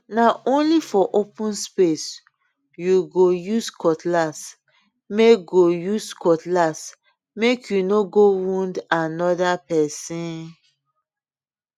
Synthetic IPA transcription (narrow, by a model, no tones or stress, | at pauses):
naʔõnlifɔʔopũnspes | juɡojuskʰɔtlas | meɡojuskɔtlas | mekʰjunoɡowũndanɔdapɛsĩn